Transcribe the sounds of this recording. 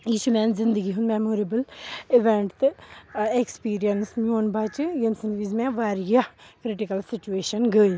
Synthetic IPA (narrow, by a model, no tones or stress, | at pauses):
iːʃumɛ̃ːnzɪ̃nd̪əɡiɦʊ̃nd̪mɛmoːɾebəlɪʋɛ̃ɳʈt̪ | ekspiːɾijənsmioːnbaːt͡ʃjənsənʋiːzmɛ̃ːʋaːɾijakɾɪʈɪkəlsɪt͡ʃueːʃənɡəi